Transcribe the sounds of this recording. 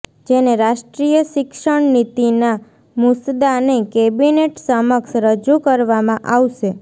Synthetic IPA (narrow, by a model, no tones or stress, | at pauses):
d͡ʒeneɾaʃʈɾijəʃɪkʃəɳnit̪ina | mʊsd̪anekebineʈsəməkʃɾəd͡ʒukəɾʋamãʔaʋʃe